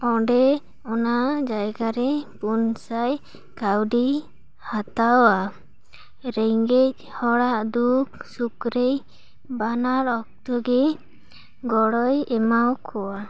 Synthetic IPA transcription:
ɔɖɛ | ɔnad͡ʒajɡaɾɛpunsaj | kawɖi | hat̪aɔa | ɾɛŋɡec̚hɔɽaʔd̪uksukɾej | banaɾɔk̚t̪ɔɡɛ | ɡɔɽɔjɛmawkʰɔwa

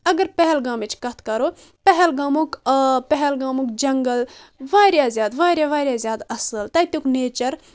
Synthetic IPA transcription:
ɐɡɐɾpɛɦɛlɡãːmit͡ʃʰkɐt̪ʰkɐɾoː | pɛɦɛlɡaːmukpɛɦɛlɡaːmukd͡ʒɐŋɡəlʋaːɾjaːzʲjaːd̪ʋaːɾjaːʋaːɾjaːzʲjaːd̪ɐsəlt̪ɐːit̪ukneːt͡ʃɐɾ

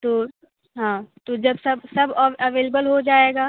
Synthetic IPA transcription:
t̪oː | ɦãːt̪od͡ʒɐbsɐbsɐbɐʋeːlebəlɦod͡ʒaːeːɡaː

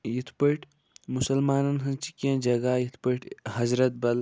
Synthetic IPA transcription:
jit̪ʰpəʈʰ | musɐlmaːnɐnɦɐnt͡ʃikːɐ̃nd͡ʒɐɡajit̪ʰpəʈʰɦɐzɾɐt̪̚bɐl

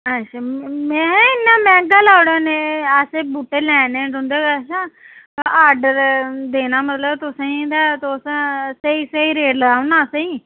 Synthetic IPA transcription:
əʃʰaːmɛ̃ːɪnːãːmɛ̃ːɡəlaːʊɽoːneːəsebuːʈːeːlɛːnẽːɖʊ̃nd̪eːəʃʰaː | aɖd̪eːnaːmət̪ləbt̪ʊsãĩd̪aːt̪osseiseiːɾeːɖləɡaːʊnaːsĩː

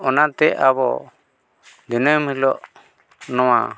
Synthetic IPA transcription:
ɔnat̪ɛʔabɔ̰ | d̪inɔjmhilɔʔ | nɔwa̰

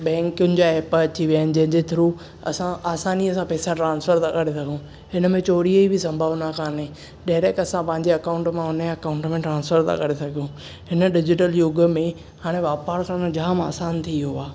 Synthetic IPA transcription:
bɛ̃ːkʊnɪ̆d͡ʑaːɛːpɐt͡ɕʰiʋjaːnɪ̆d͡ʑɐ̃ɦɪ̃ɲd͡ʑet̪ʰɪɾu | ɐ̰sãaːsaːniəsãpɛːsãʈɾãːnsfʰəɾt̪ʰakɐɾesɐɡʱũ | ɦɪnəmẽt͡ɕoːɾiəibʱɪsɐ̃mbʱəʋnakʰaːnẽ | ɖaːɪɾekɐsãpɐ̃ɦɪ̃ɲd͡ʑeɐkaːʊ̃ɳʈmãʊnɐkaːʊ̃ɳʈmẽʈɾãːnsfəɾt̪ʰa̰kɐɾesɐɡʱijũ | ɦɪnə̆ɖɪd͡ʑɪʈəljoɡəmẽ | haːɽ̃eʋaːpaːɾsãnõd͡ʑaːma̰ːsaːnt̪ʰiɦʊaː

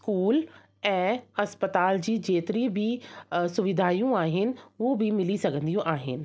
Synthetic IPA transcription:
skuːl | ɛ̃ːɐspət̪aːld͡ʑiːd͡ʑeːt̪ɪɾibʱɪsʊʋɪd̪ʱaːijũaːɦɪnɪ̆obʱɪmɪlisɐɡʱə̃nd̪ijũʔaːɦɪ̰nɪ̆

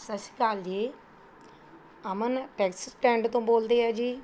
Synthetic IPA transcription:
səsi̥kaːld͡ʒeː | əmənʈɛːksəsʈɛ̃ːɳɖt̪õːboːld̪eːaːd͡ʒiː

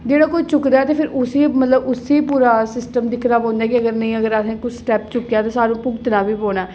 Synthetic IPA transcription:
d͡ʒeːɽaːkoːit͡ʃʊkɾaːɛːt̪eːpʰɪɾʊseːmət̪ləbʊseːpuːɾaːsɪsʈəmd̪ɪkʰɾaːpɔ̃ːnd̪aːkɪəɡəɾnəĩːəɡəɾasẽːkʊsʈɛːpt͡ʃʊkːejaːt̪ãːsaːɾũːpʊɡt̪naːbiːpõːɽaɛ

